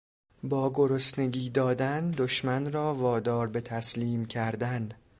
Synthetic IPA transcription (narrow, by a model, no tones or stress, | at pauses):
bɒːɡoɾosne̞ɡiːd̪ɒːd̪ænd̪oʃmænrɒːvɒːd̪ɒːɾbe̞t̪ʰæsliːmcʰæɾd̪æn